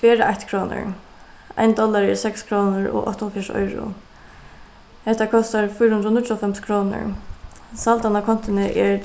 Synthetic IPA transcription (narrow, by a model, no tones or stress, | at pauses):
fɛːɾəʔajçt̪kʰɾɔːnʊ̰ɹ | a̰jnd̪ɔlːaɾɪsɛkskʰɾɔːnʊɾɔ̰ʔɔ̰ht̪ɔfjaʂɔ̰jɾʊ̰ | hɛt̪akʰɔst̪aɹfʊjɾhʊnd̪ɾənʊtɔfɛmskʰɾɔːnʊ̰ɹ | salt̪anakʰɔn̥t̪ɪnɪʔɛɹ